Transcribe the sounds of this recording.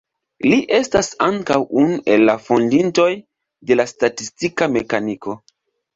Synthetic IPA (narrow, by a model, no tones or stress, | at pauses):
liʔe̞stasaŋkawunuʔe̞lːafo̞ndinto̞j | de̞lastatistikame̞kaniko̞